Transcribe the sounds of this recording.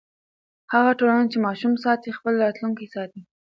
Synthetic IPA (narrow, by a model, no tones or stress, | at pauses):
haɣaʈolant͡ʃemɑʃumsɑt̪ixpəlɾɑt̪luŋkisɑt̪i